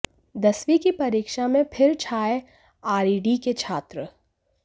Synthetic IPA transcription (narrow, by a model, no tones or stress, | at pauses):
d̪ɐsʋikipɐɾiːkʃamẽpʰɪɾt͡ʃʰaːe | aːɾiːɖiket͡ʃʰaːt̪ɾə